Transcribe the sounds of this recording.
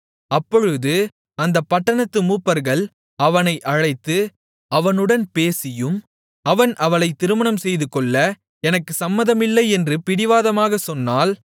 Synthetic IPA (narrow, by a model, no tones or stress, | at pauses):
ɐpːɔɻɯðɯ | ɐnd̪ɐpːɐʈːɐɳɐt̪ːɯmuːpːɐɾɣɐɭ | ɐʋɐnɐɪʔɐɻɐɪt̪ːɯ | ɐʋɐnɯɽɐnpeːsɪjɯm | ɐʋɐnʔɐʋɐnɐɪt̪ːɪɾɯmɐɳɐmsɛjðɯkːɔɭːɐ | ɛnɐkːɯsɐmːɐðɐmɪlːɐɪɛndrɯpɪɽɪʋaːðɐmaːɣɐsɔnːaːl